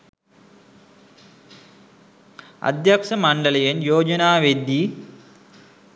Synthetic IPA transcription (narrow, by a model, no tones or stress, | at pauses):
ɐ̰d̪jɐkʂɐmɐɳɖɐlɐjenjoːd͡ʒɐnaːʋed̪ːi